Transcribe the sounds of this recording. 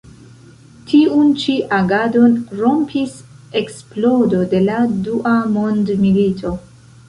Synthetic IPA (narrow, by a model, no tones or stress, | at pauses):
tʰiunt͡ʃiʔaɡado̞nɾo̞mpʰise̞ksplo̞do̞de̞laduʔamo̞ndmilitʰo̞